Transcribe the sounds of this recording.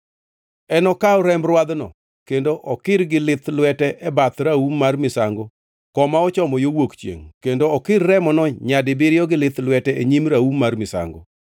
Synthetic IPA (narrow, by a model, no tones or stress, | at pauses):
ɛnɔkaɔɾɛmbɾwad̪nɔ̰ | kendoʔɔkɪɾɡɪlɪt̪lwɛtɛʔɛbat̪ɾaumarmɪsaŋɡo | kɔmaɔt͡ʃɔmɔjowokt͡ʃjḛŋkendoɔkɪɾːɛmɔnɔɲadɪbɪɾjɔɡɪlɪt̪lwɛtɛeɲimɾaumarmɪsa̰ŋɡo